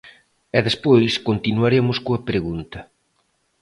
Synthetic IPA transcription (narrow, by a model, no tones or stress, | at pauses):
ɛðespojskont̪inuaɾemʊskoɐpɾeɣunt̪ɐ